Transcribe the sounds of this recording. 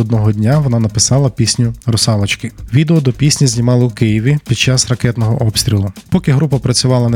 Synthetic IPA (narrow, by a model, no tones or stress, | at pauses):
ɔd̪nɔɦɔdʲnʲaʋɔnɑnɐpɪsɑlˠɐpʲisʲnʲʊrɔsɑlˠɐt͡ʃkɪʋʲid̪eɔd̪ɔpʲisʲnʲizʲnʲimɑlˠɪwkɪjiʋʲipʲid̪̚t͡ʃɑsrɐkɛt̪nɔɦɔʔɔpsʲt̪ʲɾʲilˠʊpɔkɪɦɾupɐpɾɐt͡sʲʊʋɑlˠɐn